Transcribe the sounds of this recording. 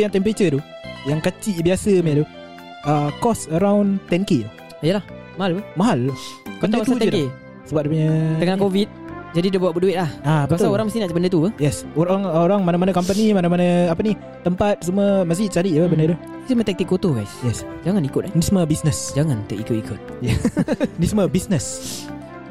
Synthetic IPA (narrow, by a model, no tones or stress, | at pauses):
jaŋt̪ɛmpɾet͡ʃət̪u | jaŋkat͡ʃiʔbiasəmɛt̪u | əkɔsəɾawnt̪ɛnke | ijəlah | maɦalpəmaɦalpətnd̪aat̪d͡ʒ̪ɛle | səbap̚dəpəɲaəŋakovit̪̚d͡ʒadidəbawaʔbəduɪt̪̚lahapat̪aoɾaŋmast̪inaʔbəndət̪upəjɛsoɾaŋoɾaŋmanamanakampənimanamanaapəni | t̪ːəmpat̪̚suməmas̬it͡ʃaɾiʔjapəbəndəd̪u | sumə̃t̪ɛk̚t̪ikːot̪oɡajsjɛsd͡ʒaŋanikʊt̪̚nisməbisnəsd͡ʒaŋant̪əʔikoʔikʊt̪̚jɛnisməbisnəs